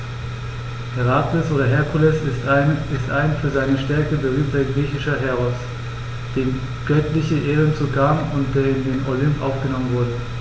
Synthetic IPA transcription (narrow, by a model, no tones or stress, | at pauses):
hɛʁatɛsʔoːɾɐɦɛɐkʰulɛs | ɪstʔaɪnfyːɐzaɪnəʃtɛɐkəbəʁ̞yːmtɐɡʁiːçɪʃɐɦɛʁɔs | d̥eːm | ɡ̥œtlɪçəʔeːʁənt͡sukʰaːmʊntd̥eːɐɪndeːnʔolʏmpʔa̰ʊfɡ̥ənɔmənvʊɐdə